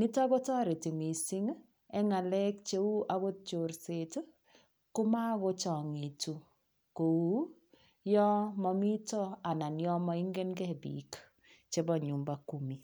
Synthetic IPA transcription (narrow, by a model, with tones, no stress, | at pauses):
ni˦tɔ˦bɔ˦tɔ˦ɾe˨ti˨mi˨si˦ŋ | ɛ˦ŋa˨lɛ˦k̚t͡ʃe˦wu˦ʔa˨βo˦t͡ʃo˨ɾse˨tu˦ | kʊ˦ma˦ɣo˦t͡ʃɔ˨ŋi˨tu˨ | ko˨wu˦ | jɔ˦mɔ˨mi˦tɔ˦a˨na˨njɔ˦mɔ˦i˦ŋɡe˦nɡɛ˦bḭ˨k | t͡ʃe˦bɔ˨ɲu˨mba˦ku˦mi˨